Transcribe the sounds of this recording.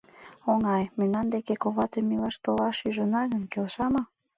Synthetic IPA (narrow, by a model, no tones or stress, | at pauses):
oŋɑjmynɑnd̪ekekoβɑt̪emːilɑʃt̪olɑʃyʒənɑɣənkelʃɑmɑ